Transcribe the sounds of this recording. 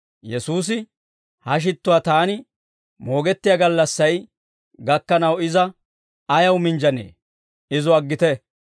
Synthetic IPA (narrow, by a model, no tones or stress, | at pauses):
jɛsuːs̬ɪ | hɐʃ̬ɪt̪ːʊwaːt̪aːnɪ | mo̞ːɡɛt̪ːɪjaɡɐlːɐsːɐj | ɡɐkːɐnɐwɪzɐ | ɐjɐwmɪnd͡ʒɐnḛː | ɪzʊɐɡːɪt̪ɛ